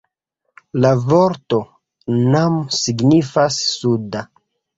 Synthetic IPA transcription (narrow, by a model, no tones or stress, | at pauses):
lavoɾto̞ | namsiɡnifasːuda